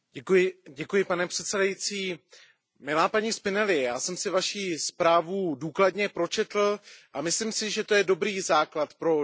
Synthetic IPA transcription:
ɟɛkujɪɟɛkujɪpanɛpr̥ɛt̪sɛdajit͡siː | mɪlaːpaɲiːspɪnɛlɪɛjaːsɛmsɪvaʃiːspɾaːvuduːkladɲɛpɾo̞t͡ʃɛt̪l̩ʔamɪslɪmsɪʒɛt̪o̞jɛdo̞bɾiːzaːklat̪pɾo̞

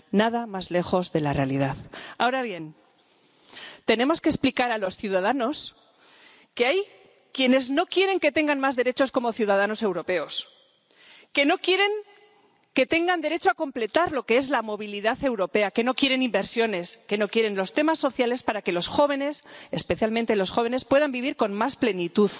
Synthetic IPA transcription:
naðamazle̞xo̞zðe̞lare̞alið̞aða̰oɾaβje̞n | t̪e̞ne̞mo̞skesplikaɾalo̞sθjuðað̞ano̞s | keaj | kje̞ne̞zno̞kje̞ɾe̞ŋke̞t̪e̞ŋɡanmazðe̞ɾe̞t͡ʃo̞sko̞mo̞θjuðað̞ano̞se̞wɾo̞pe̞o̞s | ke̞no̞kje̞ɾe̞ŋ | ke̞t̪e̞ŋɡand̪e̞ɾe̞t͡ʃoako̞mple̞t̪aɾlo̞ke̞e̞zlamo̞β̞iliðaθe̞wɾo̞pe̞ake̞no̞kje̞ɾe̞nimbe̞ɾsjo̞ne̞ske̞no̞kje̞ɾe̞nlo̞st̪e̞masːo̞θjale̞spaɾake̞lo̞sxo̞βe̞ne̞sespe̞θjalmẽnt̪e̞lo̞sxo̞β̞e̞ne̞spwe̞ðambiβ̞iɾko̞nmasple̞nit̪uð

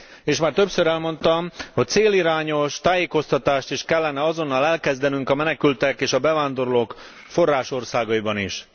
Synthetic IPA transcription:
eːʃmaːrt̪øpsøɾɛlmo̞nt̪ɒmhoc̚t̪seːliɾaːɲo̞ʃt̪aːjeːko̞st̪ɒt̪aːʃt̪iʃkɛlːɛnɛɒzo̞nːɒlɛlkɛzd̪ɛnyŋkɒmɛnɛkylt̪ɛkeːʃɒbɛvaːnd̪o̞ɾoloːk | fo̞rːaːʃo̞rsaːɡɒibɒniʃ

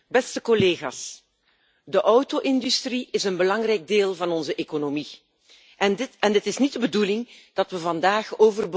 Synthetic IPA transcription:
bɛstəkɔleːɣa̰ːs | dəʔɔwtoʔɪndystriʔɪsənbəlɑŋrɛjɡ̚deːlˠvɑnɔnzəʔekonomi | ʔɛnɛndɪtɪsnitdəbədulɪŋd̥ɑtʋəvɑndaːxoːvərb

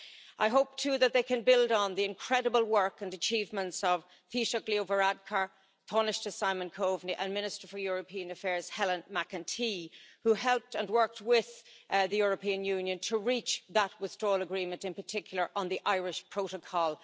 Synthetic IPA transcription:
ʔaɪɦoʊp̚tʰʉːðət̪̚ðeɪkʰɨ̃nbɪldn̩ðiɪ̃nkʰɹ̥ɛɾəbəl̩ˠwɜ˞kə̃ndət͡ʃʰiːvmə̃ntsʌv̥ | θiʃəklioʊvəɹad̚kʰə˞ | tʰɔnɪʃtəsaɪmə̃nkʰoʊvniʔə̃nmɪ̃nɪstə˞fə˞jʊɹəpʰĩə̃nəfɛɹz̥hɛlə̃nmakə̃ntʰihuɦɛlˠp̚tə̃nwɜ˞k̚t̚wɪð̥ðɨjʊɹəpʰĩə̃njʉ̃njə̃ntʰəɹit͡ʃðət̚wɪθdɹɔːləɡɹĩmə̃ntɪ̃npə˞tʰɪkʰjl̩ˠə˞ʔə̃nðiʔaɪɹɪʃpʰɹ̥oʊɾəkʰɔlˠ

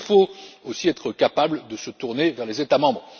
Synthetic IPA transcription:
foosiɛt̪χəkapabld̪əsət̪uʁnevɛʁlezet̪amɑ̃bʁ

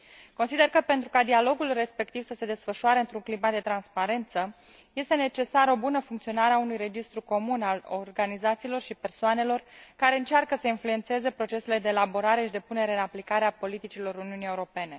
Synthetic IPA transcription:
konsid̪e̞rkəpe̞nt̪ɾukad̪ialo̞ɡulre̞spe̞k̚t̪ivsəse̞d̪e̞sfəʃuaɾeɨnt̪ɾuŋklimad̪e̞t̪ɾanspaɾe̞nt̪sə | je̞st̪e̞ne̞t͡ʃe̞saɾəo̞bunəfuŋkt̪sio̞naɾeaunujre̞d͡ʒist̪ɾuko̞munalorɡanizat̪siːlo̞rʃipe̞rsoane̞lo̞rkaɾe̞ɨnt͡ʃarkəsəinflue̞nt̪se̞ze̞pɾo̞t͡ʃe̞seled̪eːlaboɾaɾe̞ʃid̪e̞pune̞ɾeɨnaplikaɾeapo̞lit̪it͡ʃilo̞ɾuniunie̞uɾo̞pe̞ne̞

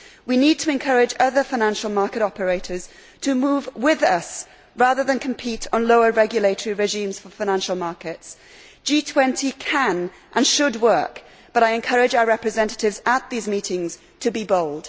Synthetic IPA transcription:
winid̚tʰəɨ̃nkʰʌɹɪd͡ʒʌðəfaɪ̃næ̃nʃəl̩ˠmɑɹkɨɾɒpəɹeɪɾə˞z̥ | tʰəmuːvwɪðʌs | ɹɑðə˞ðə̃nkʰə̃m̩pʰiˑɾn̩loʊəɹɛɡjəleɪtəɹiɹɛʒĩːmz̥fə˞faɪñæ̃nʃl̩ˠmɑɹkɪts | d̥ʒ̥itʰw̥ɛ̃ntʰikʰə̃n | ʔə̃nʃəd̚wɜˑ˞k | b̥ʌɾaɪɨ̃nkʰʌɹɪd͡ʒaʊəɹɛpɹɨzɛ̃ntətɪvzət̪̚ðizmiˑtɪ̃ŋz̥ | tʰɨbiboʊlˠd̥

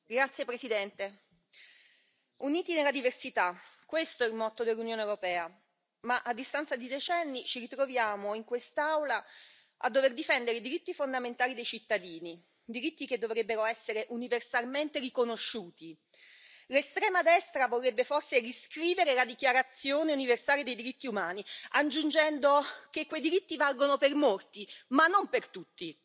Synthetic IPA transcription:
ɡɾat̪sːjepɾesid̪ɛnt̪e | uniːt̪inelːad̪iversit̪akːwest̪oɛilmɔt̪ːod̪elːunjoːnewɾopɛːa | maʔad̪ːist̪ant̪sad̪id̪et͡ʃɛnːit͡ʃiɾit̪ɾovjaːmoiŋkwest̪awla | ʔa̰d̪ːoverd̪ifɛnd̪eɾeid̪iɾit̪ːifond̪ament̪aːlid̪ejt͡ʃit̪ːad̪iːni | d̪iɾit̪ːiked̪ːovɾebːeɾoɛsːeɾeʔuniversalment̪erikonoʃːuːt̪i | lest̪ɾɛːmad̪ɛst̪ɾavorːebːeforseɾiskɾiːveɾelad̪ikjaɾat̪sːjoːneuniversaːled̪ejd̪iɾit̪ːiumaːniad͡ʒund͡ʒɛnd̪okekːwejd̪iɾit̪ːivalɡonopermort̪imanːompert̪ut̪ːi

